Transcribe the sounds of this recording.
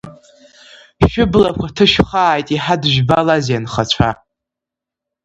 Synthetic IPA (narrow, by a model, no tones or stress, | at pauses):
ʃʊblakʷʰatʰɨʃᶣχaːjtʼiħadʒᶣbalazjanχat͡ɕʷʰa